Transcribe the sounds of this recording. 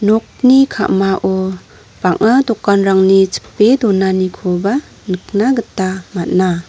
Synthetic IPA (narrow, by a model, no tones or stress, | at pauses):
nɔk̚nikʰa̰maʔɔ | b̥aŋadɔkːanɾaŋnit͡ʃi̥pːedɔnanikʰɔba | nɯk̚naɡɯtːamat̚na